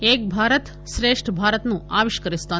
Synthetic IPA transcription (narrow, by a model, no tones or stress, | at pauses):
eːk̚bʱaːɾət̪ | ʃɾeːʂʈʰbʱaːɾət̪nũaːʋiʃkəɾist̪a